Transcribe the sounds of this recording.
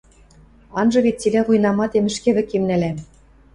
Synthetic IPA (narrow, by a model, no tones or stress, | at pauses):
ɑnʒɤ̆βet̚t͡silæɣujnɑmɑd̪emɘ̆ʃkĕβɘ̆kemnæ̆læm